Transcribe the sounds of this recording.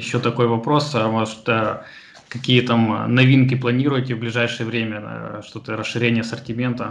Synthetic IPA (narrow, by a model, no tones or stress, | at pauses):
jɪɕːot̪ɐko̞jvɐpɾo̞soʂd̪ə | kɐkʲijət̪amnɐvʲinkʲɪplˠɐnʲiɾʊjɪtʲɪvblʲɪʐajʂɨjəvɾʲemʲə̰ʂt̪ot̪əɾəsʂːɨɾʲenʲɪjəsərtʲɪmʲe̞nt̪ə